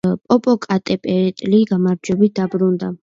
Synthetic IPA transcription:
pʼɔpʼɔkʼat̪ʼɛpʼɛt̪ʼliɡamaɾd͡ʒɛbit̪̚d̪abɾund̪a

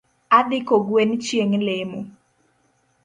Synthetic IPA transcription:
ad̪ɪkoɡwent͡ʃjeŋlemo

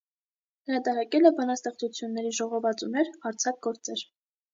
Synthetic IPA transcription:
həɾɑt̪ɑɾɑkɛlɛbɑnɑst̪ɛχt͡sut͡sʰjunːɛɾiʒɔʁɔvɑt͡sunɛɾɑɾt͡sʰɑk̚ɡɔɾt͡sɛɾ

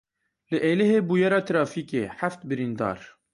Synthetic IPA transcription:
lɨʔeːlɪɦeːbuːjɛɾɑːt̪ɨɾɑːfiːkḛːħaft̪bɨɾiːnd̪ɑ̰ːɾ

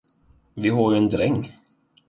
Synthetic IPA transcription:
vɪɦɔɾjɛnd̪ɾɛŋː

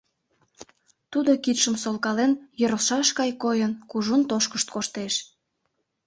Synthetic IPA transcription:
t̪ud̪okit̪ʃəmsolˠkɑlenjəɾəʃɑʃkɑjkojənkuʒunt̪oʃkəʃt̪̚koʃt̪eʃ

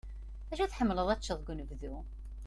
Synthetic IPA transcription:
æʃæθħəmːləðˤæt͡ʃːəðˤɡʷnəvðu

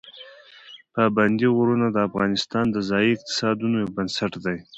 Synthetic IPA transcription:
paband̪iɣoɾunad̪əːfɣɑ̰nɪst̪ɑnd̪əzɑjiɪq̚t̪ɪ̥sɑd̪unojabənsaʈd̪aj

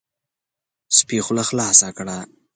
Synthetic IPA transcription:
spixʊlaxlɑːsakɽa

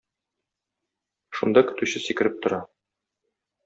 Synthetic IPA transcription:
ʃund̪ɑkɵ̆t̪ʉɕɘsikɘ̆ɾɘp̚t̪ŏɾɑ

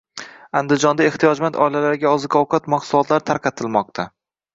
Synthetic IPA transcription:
and̪ɪd͡ʒɒnd̪ae̞ht̪ʰijɒd͡ʒmant̪ʰɒɪlalaɾɪɡʲaɒzɨkʰɒwqʰat̪maqsʊlˠɒt̪ʰlaɾt̪ʰaɾqʰɑt̪ʰɪlmɒq̚t̪ʰa

